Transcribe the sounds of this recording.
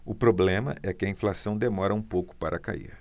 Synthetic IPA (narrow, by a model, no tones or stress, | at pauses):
ʊpɾoblẽmɐ̰ʔɛkɪɐĩflasɐ̃w̃d̪emɔɾɐũpowkʊ̥paɾʔɐka̰ḭɾ